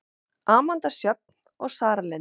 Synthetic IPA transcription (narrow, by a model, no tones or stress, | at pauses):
aːmant̪asjœp̚n̥ | ɔɣsaːɾalɛ